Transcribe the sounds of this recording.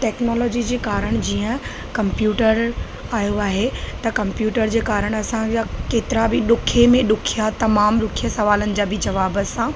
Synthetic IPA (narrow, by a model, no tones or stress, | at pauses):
ʈɛːknɔːlɔːd͡ʑid͡ʑeːkaːɾəɽ̃d͡ʑiːə̃ | kɐ̃mpjuːʈəɾ | aːjoaːɦet̪ɐkɐ̃mpjuːʈəɾd͡ʑeːkaːɾəɽ̃ɐsãd͡ʑakeːt̪ɪɾabɪɗʊkʰemẽɗʊkʰijat̪ɐmaːmɾʊkʰijəsɐʋaːlənɪ̆d͡ʑaːbɪd͡ʑɐʋaːbəsã